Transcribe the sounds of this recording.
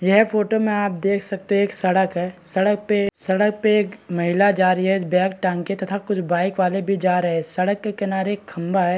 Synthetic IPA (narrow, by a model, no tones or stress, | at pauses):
jɐɦpʰoːʈomẽaːp̚d̪eːkʰsɐk̚t̪eeːksɐɽəkɦɛːsɐɽək̚pesɐɽək̚peeːkmɐɦɪlad͡ʒaːɾiɦɛbɛ̃ːk̚ʈãːŋket̪ɐt̪ʰakʊt͡ʃʰbaːɪkʋaːlebʱid͡ʒaːɾɐɦɛsɐɽəkːekɐnaːɾeːkʰːɐ̃mbaɦɛː